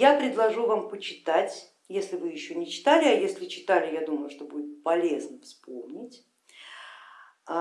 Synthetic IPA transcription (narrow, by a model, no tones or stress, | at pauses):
japɾʲɪd̪lˠɐʐuvampət͡ɕɪ̥t̪atʲ | jesʲlʲɪvɨjɪɕːo̞nʲɪt͡ɕɪ̥t̪alʲɪɐjesʲlʲɪt͡ɕɪ̥t̪alʲɪjad̪uməjʊʂt̪o̞budʲɪt̪̚pɐlʲe̞znəfspo̞̰mnʲɪtʲ